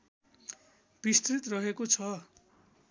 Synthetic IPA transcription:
b̥ist̪rit̪rʌɦekot͡sʰʌ

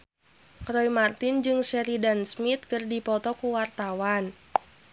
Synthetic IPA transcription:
kɾɔimart̪ɪnd͡ʒɨŋsɛɾidansmit̪̚kɨrdipɔt̪ɔkuwart̪awan

